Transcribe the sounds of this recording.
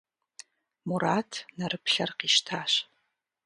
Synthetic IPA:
muɾaːtʰnɐrɨpɬɐrqiːʃtʰaːɕ

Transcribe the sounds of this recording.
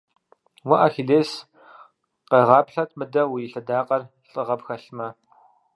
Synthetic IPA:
wɐʔaːxiɮeːs | qeʁɑːpɬɐtʰmɨdɐwijɪɬɐdaːqɐr | ɬʼɨʁɐpxɐɬmɐ

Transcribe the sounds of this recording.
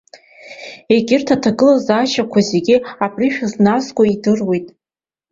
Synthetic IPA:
e̞ɡʲɪrtʰatʰaɡɨlazaʃakʷʰazeɡʲiapʰʼriʃᶣaznaskʷʼaidɨrwe̞jtʼ

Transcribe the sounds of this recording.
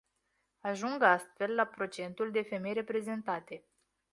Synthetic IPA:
aʒuŋɡast̪fe̞lːapɾo̞t͡ʃe̞nt̪uld̪e̞fe̞mejɾe̞pɾe̞ze̞nt̪at̪e̞

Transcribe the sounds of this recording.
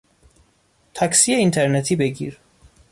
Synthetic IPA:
t̪ʰæcsiːeint̪ʰeɾnet̪ʰiːbe̞ɟḭːɾ

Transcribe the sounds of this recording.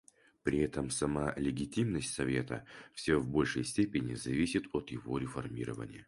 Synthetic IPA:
pɾʲɪɛt̪əmsɐmalʲɪɡʲɪtʲimnəsʲtʲsɐvʲe̞t̪ə̰fsʲovbo̞lʲʂəjsʲtʲepʲɪnʲɪzɐvʲisʲɪt̪ot̪jɪvo̞ɾʲɪfɐrmʲiɾəvə̰nʲɪ̰jə

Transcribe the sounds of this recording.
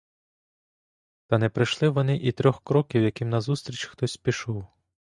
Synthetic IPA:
t̪ɐnɛpɾɪʃlˠɪʋɔnɪʔit̪ɾʲɔxkɾɔkʲiwjɐkɪmnɐzust̪ɾʲit͡ʃxt̪ɔsʲpʲiʃuw

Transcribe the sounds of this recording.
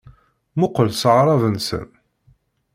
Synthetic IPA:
mʊqəlsəʕɾˤɑvənsə̰n

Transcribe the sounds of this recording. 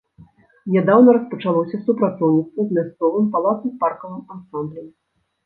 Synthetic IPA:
nʲɛd̪awnɐɾɐspɐt͡ʂalˠɔsʲɐsupɾat̪sɔwɲʲit̪svɐzmʲast̪sɔvɨmpalˠat̪sɨparkɐvɨmansamblʲi

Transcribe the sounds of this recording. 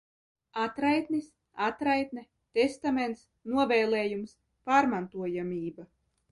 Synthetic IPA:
at̪ɾajt̪nis | at̪ɾajt̪̚nɛ | t̪est̪ament̪s | nuɔvɛːlˠeːjums | paːɾmant̪uɔjamʲiːba

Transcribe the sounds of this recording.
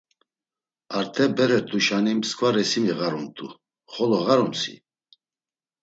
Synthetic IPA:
aɾt̪ʰɛbɛɾɛt̪ʼuʃanimskʰʼvaɾɛsimiɣaɾunt̪ʰʼu | χɔlɔɣaɾɔmsḭ

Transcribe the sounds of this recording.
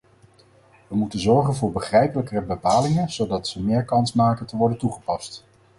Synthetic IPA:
ʋəmutənzɔɹχənvʊːɹbəχrɛjpələkərəbəpaːlɪŋənz̥owdɑtsəmɪːɹkɑnsmaːkəntəʋɔɹdəntuχəpɑst

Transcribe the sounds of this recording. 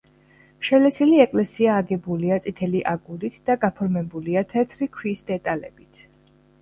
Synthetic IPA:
ʃɛlɛsiliɛkʼlɛsiaːɡɛbuliat̪sʼit̪ʰɛliʔaɡuɾit̪ʰd̪̥aɡapʰɔɾmɛbuliat̪ʰɛt̪ʰɾikʰwisd̪̥ɛt̪ʼalɛ̰b̥it̪ʰ

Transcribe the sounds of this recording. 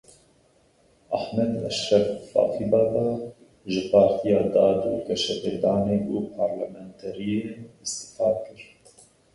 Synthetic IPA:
ʔaħmɛd̪ɛ̰ʃɾɛffɑ̰ːfib̪ɑːd̪ɑ | ʒɪpʰɑːɾt̪ʰijɑːd̪ɑːd̪ṵːkɛʃɛbed̪ɑːneːbuːpʰɑɾlɛmɛnt̪ʰɛɾijenɨst̪ɪ̥fɑːdkɨɾ

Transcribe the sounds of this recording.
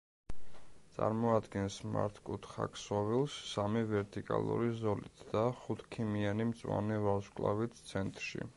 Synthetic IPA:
t̪sʼaɾmɔad̪ɡɛnsma̰ɾt̪ʰkʼut̪ʰχa̰kʰsɔvilˠsːamivɛɾt̪ʼikʼa̰lˠṵɾizɔlit̪ʰd̪̥aχut̪ʰkʰimianimt̪sʼwanɛvaskʼlˠavit̪t̪sʰɛnt̪ʼɾʃḭ

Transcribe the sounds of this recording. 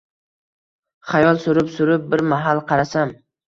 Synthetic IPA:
χajɒlˠsʊɾɪpsʊɾɪp̚bɪɾmaɦalˠqʰɑɾasam

